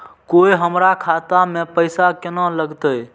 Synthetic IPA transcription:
koiɦəmɾakʰat̪amẽpəjsakenɔ̃ləɡt̪əj

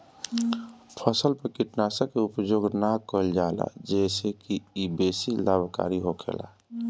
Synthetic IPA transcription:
pʰəsəlpəkɪʈnaːsəkːeʊpd͡ʒoːɡnakəld͡ʒaːla̰d͡ʒɛːsekiibeːsilaːbʱka̰ːɾiɦokʰḛːla̰

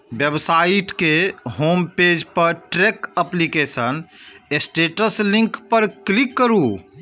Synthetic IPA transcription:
bjebsaiʈkeɦomped͡ʒpəɾʈɾekəplikesən | esʈeʈəslĩŋkpəɾklikːəɾu

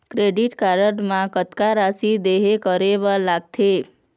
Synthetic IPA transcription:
kɾeɖiʈkaɾəʈmãkət̪kaɾasid̪eɦekəɾeʋalaɡ̚t̪ʰe

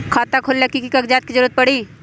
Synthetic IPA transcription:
kʰaːt̪akʰolːakikikɐkd͡ʒaːt̪̚kid͡ʒəɾuːɾət̪̚pɐɽiː

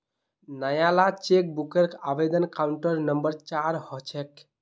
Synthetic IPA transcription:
nəjalat͡ʃek̚bukeɾkabed̪ənkauɳʈəɾnəmbəɾt͡ʃaɾhɔt͡ʃʰek

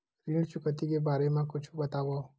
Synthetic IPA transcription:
ɾiɽt͡ʃʊkət̪ikebaːɾemãkʊt͡ʃʰubət̪aʋa

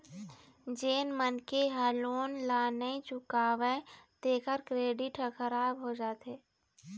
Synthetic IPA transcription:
d͡ʒeːnmənkeɦaːloːnlaːnəĩt͡ʃʊkaːʋet̪eːkəɾkɾeːɖɪʈxʰəɾaːbɦod͡ʒaːt̪eː

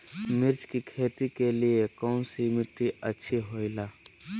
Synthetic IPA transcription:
mɪɾd͡ʒkikʰeːt̪ikeliekɔ̃ʊnsimɪʈɾiɐtːʃʰiɦoːilaː

